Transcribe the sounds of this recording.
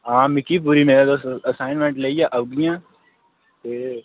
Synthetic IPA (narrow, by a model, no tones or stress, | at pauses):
ɦãːmɪkipuːɾimeːɾed̪oːsɐsaːɪnmẽɳʈleijãʔəʋɡijãː | t̪eː